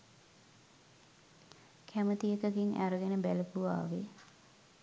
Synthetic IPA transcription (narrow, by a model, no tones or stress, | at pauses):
kʰæmət̪ijəkəɡiŋæ̰ɾəɡenəbæləpuʋa̰ːʋe